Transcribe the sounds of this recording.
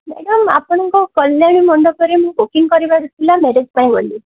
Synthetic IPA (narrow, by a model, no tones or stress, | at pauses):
meɽɔma̰pɔɽ̃ɔŋkɔkɔljaɽimɔɳɖɔkɔɾemũɡokiŋkɔɾibaɽut̪ʰilameɾed͡ʒpaĩɡoli